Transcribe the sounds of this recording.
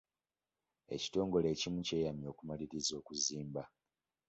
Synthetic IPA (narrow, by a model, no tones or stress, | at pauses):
e̞̰ci̥to̞ːŋɡo̞le̞ːcimuce̞ːjamjo̞ːkumaliɾizo̞ːkuziːmba